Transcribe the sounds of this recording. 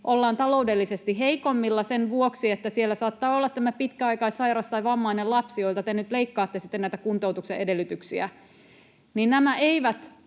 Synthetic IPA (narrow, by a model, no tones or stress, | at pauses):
ʔolːɑːnt̪ɑlo̞udelːisest̪iɦeikomːilːɑsenʋuoksiet̪ːæsielːæsɑːt̪ːɑːolːɑt̪t̪æmæpit̪kæɑikɑisɑiɾɑst̪ɑiʋɑmːɑinelɑpsio̞ilt̪ɑt̪enyt̪leikːɑːt̪ːesit̪ːenæit̪ækunt̪o̞wt̪ukseʔedelːyt̪yksiæ̰ | ninnæmæeiʋæt̪